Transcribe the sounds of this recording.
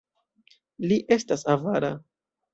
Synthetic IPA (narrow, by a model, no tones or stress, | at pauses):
liʔe̞stasavaɾa